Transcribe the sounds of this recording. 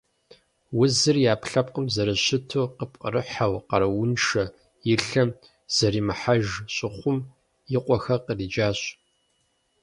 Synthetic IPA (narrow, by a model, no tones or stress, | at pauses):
wʊzɨrjaːpʰɬɐpʼqʼəmzɐɾɨɕɪtʰoːqəpʼqʼə̰ɾɨħawqɐɾɐwʊnʃɐ | jɪɬɐm | z̥ɐɾiːmɨħaʒɕʼɪχʷʊm | jɪqʷʼɔxɐqəriːd͡ʒaːɕʼ